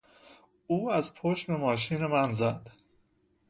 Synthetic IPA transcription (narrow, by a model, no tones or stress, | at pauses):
uːæzpʰoʃme̞mɒːʃ̬iːnemænzæd̪̥